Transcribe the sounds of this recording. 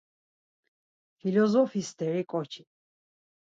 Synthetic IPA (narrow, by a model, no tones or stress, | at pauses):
fʰilɔzɔfisd̪ɛɾikʼɔt͡ʃʰi